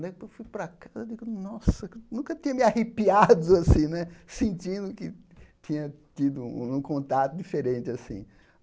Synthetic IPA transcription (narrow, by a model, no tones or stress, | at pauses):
d̪ɛewfujpɾɐkazɐed̪iɡʊnɔsɐknũkɐt̪ĩɲɐmɪahipiad̪ʊasĩnɛsẽnt͡ʃĩnd̪ʊkɪt̪ĩɲɐt̪id̪ʊ̃ũkõnt̪at̪ʊdifeɾẽnt͡ʃɪasḭ̃